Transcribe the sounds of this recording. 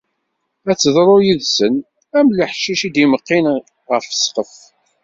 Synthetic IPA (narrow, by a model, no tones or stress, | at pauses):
æt͡sːəðˤɾˤʊjiðsən | æmləħʃiʃid̪iməqːin | ʁəɾfə̥sqəf